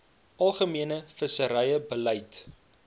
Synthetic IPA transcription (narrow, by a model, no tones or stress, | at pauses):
ʔɐlˠχəmiənəfəsəɾɛjəbəlɛjt